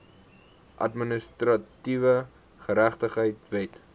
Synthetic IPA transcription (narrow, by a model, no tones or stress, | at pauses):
ʔɐ̰tminəstrɐtivə | χəɾæχtəχəjtvɛt